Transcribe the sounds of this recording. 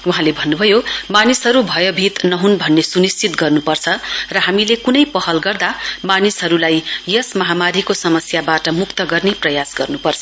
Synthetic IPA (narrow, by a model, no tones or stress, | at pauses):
uɦãlebʱʌnːubʱʌjomanisɦʌɾubʱʌjʌbʱit̪nʌɦunbʱʌnːesunist͡ʃit̪ɡʌrnupʌrt͡sʰʌrʌɦamilekunʌjpʌɦʌlɡʌrd̪amanisɦʌɾulajjʌsmʌɦamaɾikosʌmʌsjabaʈʌmukt̪ʌɡʌrneprʌjasɡʌrnupʌrt͡sʰʌ